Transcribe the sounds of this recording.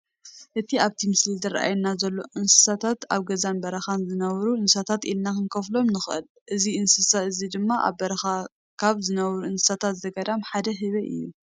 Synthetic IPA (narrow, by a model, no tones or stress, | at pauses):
ʔɨt̪ʰiaβt̪ʰimɨslizɐɾʔa̰jnːazɐlːo̞ʔɨnsɨ̥sat̪ʰat̪aβɡɐzanbɐɾɐxanzɨnɐβɾuɨnssat̪ʰat̪ilnakɨnkʰɐflo̞mnɨxʔɨ̰l | ʔɨziɨnsɨsaɨzid̪ɨmːaʔa̰βbɐɾɐxa | kʰaβzɨnɐβɾuɨnsɨ̥sat̪ʰat̪zɐɡɐd̪amħad̪ɐɦɨβɐʔɨ̰jːu